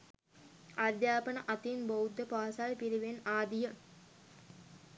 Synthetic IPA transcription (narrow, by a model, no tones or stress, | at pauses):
ʔad̪jaːpənɐʔɐt̪inbowd̪ːəpaːsalpiɾiʋenaːd̪ijə